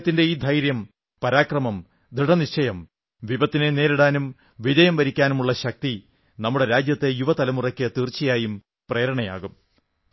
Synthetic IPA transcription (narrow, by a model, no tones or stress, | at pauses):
t̪ːinde̞iːd̪ʱɐjɾjɐm | pɐɾaːkrɐmɐm | d̪ʱiɽɐniɕt͡ɕːɐjɐm | ʋibɐt̪ːine̞ne̞ːɾiɽaːnum | ʋidɐjɐmʋɐɾikʲːaːnumuɭːɐɕɐk̚t̪i | nɐmːuɽe̞ɾaːd͡ʑjɐt̪ːe̞juʋɐt̪ɐlɐmurɐkʲːɨt̪irt͡ɕːijaːjum | pre̞ːɾɐɳɐja̰ːɣum